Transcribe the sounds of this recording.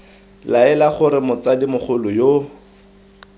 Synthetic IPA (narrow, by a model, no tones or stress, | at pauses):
laɛlaχʊɾɪmʊt͡sadimʊχʊlʊjo